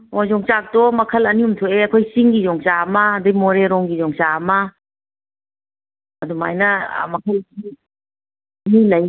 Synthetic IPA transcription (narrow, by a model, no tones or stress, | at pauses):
ozɔŋt͡ʃak̚tɔmɐkʰɐlɐniumtʰoeɐkʰojsiŋɡizɔŋt͡ʃamɐːdamoɾeɾɔŋɡizɔŋt͡ʃamɐ | ɐduma̰jnɐ̰mɐkʰɐlkʰi | ɐnilɐj